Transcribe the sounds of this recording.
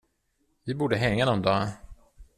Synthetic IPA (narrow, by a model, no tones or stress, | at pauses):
vɪbuːɖəɦɛŋːanɔnd̪ɑː